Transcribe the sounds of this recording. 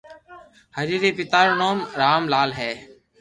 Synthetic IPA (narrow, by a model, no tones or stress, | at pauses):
həɾiːɾeːpɪt̪aːɾnoːmɾaːmlaːlɦɛː